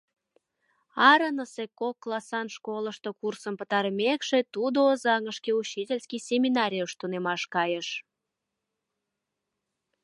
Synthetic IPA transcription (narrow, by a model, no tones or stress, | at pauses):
ɑɾənəsekokːlˠɑsɑnʃkoləʃt̪okursəmpə̆t̪ɑɾəmekʃet̪ud̪oːzɑŋəʃkeut͡ɕːitʲelʲskijsʲemʲinɑɾʲijəʃt̪unemɑʃkɑjəʃ